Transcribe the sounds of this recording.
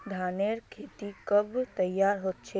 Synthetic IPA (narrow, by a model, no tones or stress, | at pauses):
d̪ʱaːneːɾkʰeːt̪ikəbt̪əjːaːɾɦoːt̪t͡ʃʰe